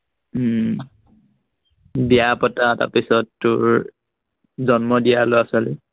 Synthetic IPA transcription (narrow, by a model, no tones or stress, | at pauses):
bijapɔtata̰pisɔtːʊɹ | zɔnmɔdijaloasɔlɛ